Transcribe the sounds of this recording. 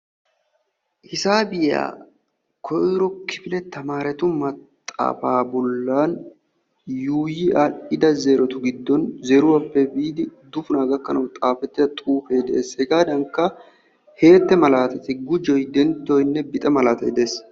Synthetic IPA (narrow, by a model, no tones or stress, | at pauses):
hɪsaːbɪja̰ː | kʰɔjɾɔkʰɪfɪlɛt̪ːɐmaːɾɛt̪ʊmɐt̪ʼːa̰ːfaːbɔlːaːn | juːjɪʔaʔɪd̪ɐzeːɾɔt̪ʊɡɪd̪ːɔnzeɾʊwɐpːɛbiːd̪ɪd̪ʊfʊnaːɡɐkːɐnɐwt̪ʼaːfɛt̪ːɪdɐt̪ʼuːfeːd̪ɛʔeːshɛɡaːd̪ɐŋkːɐ | he̞ːt̪ːɛmɐlaːt̪ɛt̪ɪɡʊd͡ʒɔjd̪ɛnt̪ːɔjnːɛbɪt̪ʼɛmɐlaːt̪ɐd̪e̞ːs